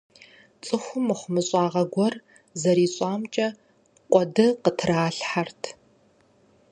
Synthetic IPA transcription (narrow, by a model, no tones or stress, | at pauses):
t͡sʼɨxʷʊmɨχʷʊmɨɕʼaːʁɐɡʷɔr | zɐɾiːɕʼɑːmt͡ʃʼɐ | qʷʼɔdɨqətʰraːɬħartʰ